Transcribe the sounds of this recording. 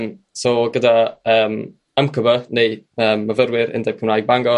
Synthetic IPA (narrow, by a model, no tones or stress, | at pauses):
m | sɔɡədaəːm | əmkʰəbənejəːmːəvəɾwɪɾɪ̰ndɛb̚kʰəmnajɡ̚baŋɡɔ